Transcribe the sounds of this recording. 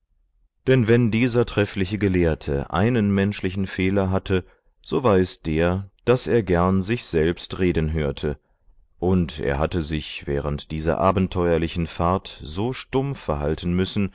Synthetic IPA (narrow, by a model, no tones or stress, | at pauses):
d̥ɛnvɛndiːzɐtʁ̥ɛflɪçəɡəleːɐtʰə̰ʔa̰ɪnənmɛnʃlɪçn̩feːlɐɦatʰə | z̥oːvaɪsd̥eːɐd̥asʔeːɐɡɛɐnzɪçz̥ɛlpstʁeːdn̩ɦøːɐtʰə | ʔʊntʔḛːɐɦatəzɪçv̥ɛ̰ːʁəntd̥iːzɐ̰ʔa̰ːbn̩tʰːɔʏɐlɪçn̩faɐtz̥oːʃtʊmfɛɐɦaltn̩mʏsn̩